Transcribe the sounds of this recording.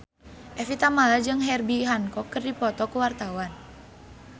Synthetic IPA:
ʔɛfit̪amalad͡ʒɨŋɦɛrbiɦaŋkɔkɨrdipɔt̪ɔkuwart̪awan

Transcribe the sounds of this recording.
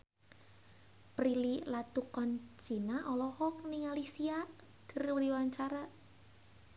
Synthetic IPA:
pɾililat̪ukɔnt͡ʃinaʔɔlɔhɔk̚niŋalisia | ɡ̥ə̤rwɾiwaɲt͡ʃaɾa

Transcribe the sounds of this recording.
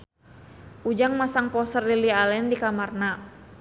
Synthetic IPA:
ʔud͡ʒaŋmasaŋpɔsərlilialɛndikamarna

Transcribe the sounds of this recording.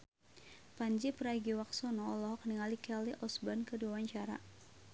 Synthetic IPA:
paɲd͡ʒipəɾaɡiwaksɔnɔɔlɔɦɔkniŋalikɛliʔɔsbankəduawaɲt͡ʃaɾa̰

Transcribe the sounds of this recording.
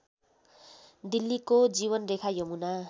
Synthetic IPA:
d̪ilːikod͡ziβʌnrekʰajʌmuna

